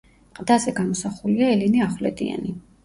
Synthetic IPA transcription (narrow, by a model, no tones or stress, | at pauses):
mqʼd̪azɛɡamɔsaχuliaɛliniaχwlɛ̰d̪ḭa̰ni